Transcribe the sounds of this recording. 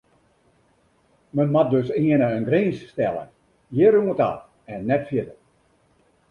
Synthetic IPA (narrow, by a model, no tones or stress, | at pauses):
mənmadøsiənəənɡriːnsstɛlˠə̰n | jɪɾuŋəta̰ | ɛnːɛtfjɪtə